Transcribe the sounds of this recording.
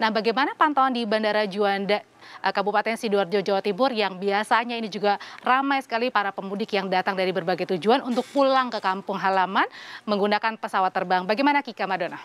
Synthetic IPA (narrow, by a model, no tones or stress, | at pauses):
nahbaɡajmanapant̪awandibandaɾad͡ʒuanda | ʔəkabupat̪ɛnsiduard͡ʒod͡ʒawat̪ibʊrjaŋbiasaɲainid͡ʒuɡaramajsə̥kalipaɾapəmudɪkjaŋdat̪aŋdaɾibərbaɡajt̪ud͡ʒuanunt̪ʊk̚pulaŋkəkampʊŋɦalamanməŋɡunakanpəsawat̪ːərbaŋbaɡajmanakikamadona